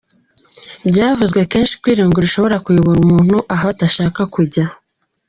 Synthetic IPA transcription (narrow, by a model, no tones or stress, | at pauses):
bɟaːvuzɡwe̞ke̞ːnʃi̥kwiːɾiːŋɡoɾiʃo̞βo̞ɾakujoβoɾumuːn̥huʔaɦataʃaːkakuɟa